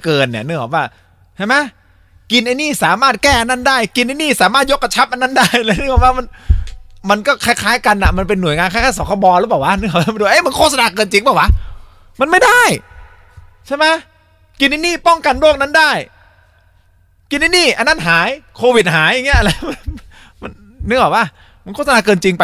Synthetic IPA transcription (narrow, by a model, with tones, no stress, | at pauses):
kɤː˧nːi˧˩nɯː˧˥˩ŋkɔ̰ː˨˩p̚waː˧˥˩ | t͡ɕʰa˥˩ma˦˥j | ki˧nʔa˧jniː˥˩saː˩˦maː˥˩t̪̚kɛː˥˩ʔa˧nːa˥˩ndaː˥˩jki˧nʔa˧jniː˥˩saː˨˩˦maː˥˩t̪̚jo˦˥kːa˧t͡ɕʰa˦˥p̚ʔa˧nːa˥˩ndaː˥˩jla˧˩nɯ˥˩ŋaː˨˩waː˥˩ma˧n | ma˧nkɔː˥˩kʰa˧˩kʰaː˦˥jka˧nʔa˨˩ma˧npe˧nːu˩əjŋaː˧nka˥˩kʰaː˧˥˩sɔː˨˦˥kʰɔ˧˩bɔː˧lɯː˦˥paː˨˩wa˦˥nɯ˥˩ŋʰɔ˨˩˦a˧˥˩du˧ʔa˦˥˩m˧˩˦nkʰoː˥˩t̚sa˧naː˧kɤː˧nt͡ɕi˧ŋbaː˨˩wa˦˥ | ma˧nma˥˩jdaː˥˩j | t͡ɕʰa˥˩jma˦˥ | ki˧nːa˧˦niː˥˩pɔ˥˩ŋka˧nloː˥˩k̚na˥˩ndaː˥˩j | ki˧nːa˧˦niː˥˩ʔa˧nːa˥˩nɦaː˩˦jkʰoː˧wi˨˩t̪̚ɦaː˩˦ja˧ŋi˦˥ʔla˧jm˧ | ma˧nː | ɯ˧˥ŋwa˨˩wa˧˩ | ma˧kʰoː˥˩t̪̚sa˧naː˧kɤː˧nt͡ɕi˧ŋpa˧